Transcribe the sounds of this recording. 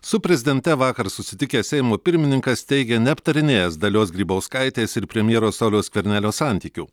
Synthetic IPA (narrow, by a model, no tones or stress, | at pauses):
sʊpʲɾʲɛzʲɪd̪ʲɛnʲt̪ʲɛʋɑːkɐɾsʊsʲɪt̪ʲɪkʲeːsʲɛɪmoːpʲɪɾʲmʲɪnʲɪŋkɐst̪ʲɛɪɡʲɛnʲɛɐpt̪ɐɾʲɪnʲeːjɛsd̪ɐlʲoːs̬ɡɾʲiːbɐʊskɐɪt̪ʲeːsɪɾpʲɾʲɛmʲjiɛɾoːsɐʊlʲoːskʲʋʲɛɾʲnʲæːlʲoːsɑˑnʲt̪ʲiːkʲʊ